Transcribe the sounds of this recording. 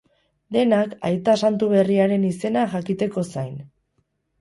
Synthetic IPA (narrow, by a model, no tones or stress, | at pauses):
d̪e̞nakajt̪asant̪uβ̞e̞riaɾe̞nise̞naʝakit̪e̞ko̞sajn